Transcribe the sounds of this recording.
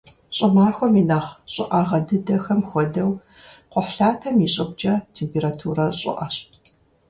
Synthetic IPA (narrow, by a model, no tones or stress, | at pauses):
ɕʼɐmaːxʷɔminaːχɕʼɪʔɑʁɐdɨdɐxɐmxʷɔdɐw | qʷʊħɬaːtʰɐmjiɕʼɐɡ̚ʷd͡ʒɐtʰeːmpʰeːɾatʰuːrɐrɕʼɪ̰ʔɐɕ